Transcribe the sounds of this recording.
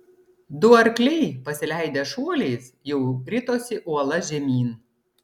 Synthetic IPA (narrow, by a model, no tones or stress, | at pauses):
d̪ʊɐɾʲklʲɛɪpɐsʲɪlʲæˑɪd̪ʲeːʃuɔlʲeɪs | jɛʊɾʲɪt̪oːsʲɪʔuɔlˠɐʒʲɛmʲiːn